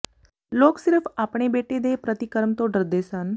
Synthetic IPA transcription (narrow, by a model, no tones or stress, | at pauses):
loksiɾəfapɳ̃ebeʈed̪epɾət̪ikəɾmt̪oɖəɾd̪esan